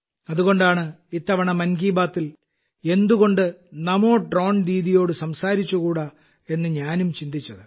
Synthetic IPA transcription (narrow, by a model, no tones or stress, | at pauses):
ɐðuɣo̞ɳɖaːɳɨit̪ːɐʋɐɳɐmɐnɡiːbaːt̪ːil | e̞nd̪uɣo̞ɳɖɨnɐmo̞ːɖro̞ːɳɾiːðijo̞ːɽɨsɐmsaːɾit͡ɕːukuːɽɐ | e̞nːɨɲaːnumt͡ɕind̪it͡ɕːɐðɨ